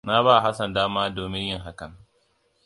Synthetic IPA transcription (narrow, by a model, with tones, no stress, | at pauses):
na˦βaː˦˨ɦa˦sɐ˨ndaː˦maː˦doː˨mɪ˦ɲjɪ˦˨ŋɦa˦kɐ˨ŋ